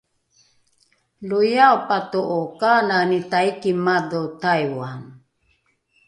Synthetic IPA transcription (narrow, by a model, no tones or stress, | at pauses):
lujaopatoʔokananitaikimadotajwan